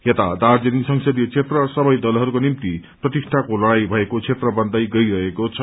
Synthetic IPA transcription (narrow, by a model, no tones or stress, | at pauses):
ɦet̪ad̪ard͡zʌnisʌŋsʌd̪ijʌt͡sʰet̪rʌsʌbʌjd̪ʌlɦʌɾukonimt̪i | prʌt̪isʈʰakolʌɽajbʱʌekot͡sʰet̪rʌbʌnd̪ʌjɡʌjɾʌɦekot͡sʰʌ